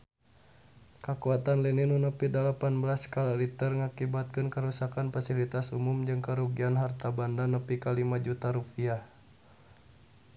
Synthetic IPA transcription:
kəkuat̪anlininunəpidəlapanbəlaskalaɾit̪ərŋakibat̪̚kɨnkəɾusakanfasilit̪asumumd͡ʒɨŋkəɾuɡianɦart̪abandanəpikalimad͡ʒut̪aɾupiah

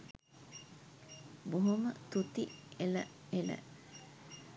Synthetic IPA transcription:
boɦomət̪ut̪ielə̰ | elə̰

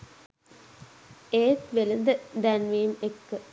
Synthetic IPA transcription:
eːt̪ʋelənd̪əd̪ænʋiːmekːə

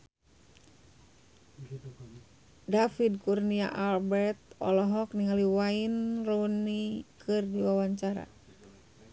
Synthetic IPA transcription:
dafidkurnia̰ʔalbɛrt̪ɔ̰lɔɦɔkniŋaliwainronikʰɨrdiwawaɲt͡ʃaɾa̰

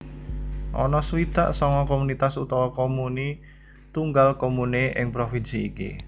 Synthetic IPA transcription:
ʔɔ̰nɔswit̪a̰ʔsɔŋɔkomunit̪asut̪ɔwɔkomuni | t̪uŋɡalkomuneʔɪ̰ŋpɾofinsiːkḭ

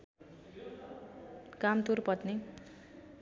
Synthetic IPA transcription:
kamt̪urpʌt̪ne

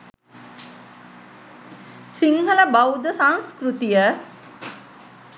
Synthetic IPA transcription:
siŋɦələbawd̪əsaŋskɾut̪ijə

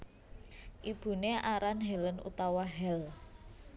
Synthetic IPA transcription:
ʔib̥ṳneʔaɾanɦɛlənṵt̪awaɦɛl

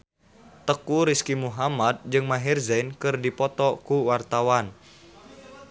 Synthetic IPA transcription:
t̪əkuɾiskimuɦamad̪̚d͡ʒɨŋmaɦirzɛnkɨrdipɔt̪ɔkuwart̪awan

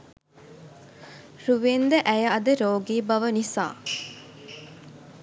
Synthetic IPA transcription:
ɾuʋend̪əʔæjəɐd̪əɾoːɡiːbɐʋənisa̰ː

